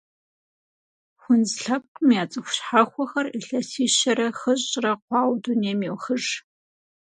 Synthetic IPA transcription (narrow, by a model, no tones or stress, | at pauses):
xʷʊnzɬɐp̚qʼmjaːt͡sʼɨxʷʊ̥ɕħaxʷɔxɐriɬɐsiːʃɐɾɐxɨɕʼrɐqʷɑːwduneːmewxɨʒ